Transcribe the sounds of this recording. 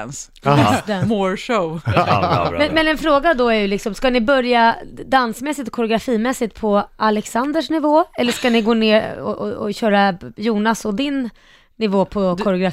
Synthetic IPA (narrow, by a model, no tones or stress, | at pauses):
ns | sd̪ɛmoɾʂo | mɛnmɛnɛnfɾoːɡad̪ɔæɾjɵlɪksɔmskanɪbœɾjad̪ansmɛsːɪt̪ɔkʰɔɾɛʊɡɾafiːmɛsːɪt̪̚pʰɔalɛksand̪əʂnɪvoːɛlːəʂkanɪɡoːneːɔ̰ɔɔɕœːɾajuːnasɔd̪ɪnː | ɪvoːpʰɔkʰɔɾɛʊɡɾa